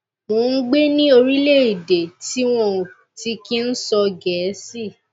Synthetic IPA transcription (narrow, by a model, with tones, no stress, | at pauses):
moː˨˦˧n̩˦ɡ͡be˦nĩ˦o˧ɾi˦le˦˨i˨de˨ti˦w̃ɔ̃˦˧u˨ | ti˧ki˦n̩˦sɔ˧ɡɛ˨˦si˦˨